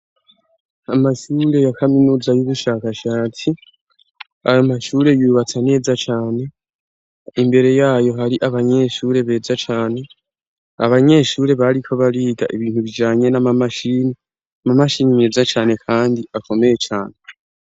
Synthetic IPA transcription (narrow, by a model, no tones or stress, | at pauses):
amaʃuːɾe̞jakʰaminuːzajuβuʃaːkaʃaːt͡si | a̰jomaʃuːɾe̞juːβat͡sane̞ːzat͡ʃaːne̞ | imbe̞ɾe̞jaːjo̞ɦaɾiʔaβaɲe̞ʃuːɾe̞βe̞ːzat͡ʃaːne̞ | a̰βaɲe̞ːʃuːɾe̞βaɾikʰo̞βaɾiːɡaʔiβiːnhuβid͡ʒaːɲe̞namamaʃini | mamaʃiːnine̞ːzat͡ʃaːne̞kʰaːndiako̞me̞je̞t͡ʃaːne̞